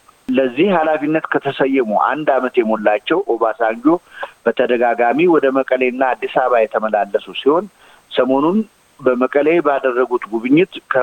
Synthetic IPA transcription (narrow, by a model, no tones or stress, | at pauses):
ləzːihhalafinːət̪kʰət̪ʰəsəjːɛmuʔa̰nd̪amət̪jɛmolːat͡ʃːɛwʔoβasaɲd͡ʒo̞b̥ət̪ʰəd̪əɡaɡamiwɔd̪əməkʼəlenːaːd̪ːisaβajɛt̪ʰəməlalːəsusiho̞n | səmo̞nun | bəməkʼəlebəad̪ərːəɡut̪ɡuβɨɲːɪt̪kʰə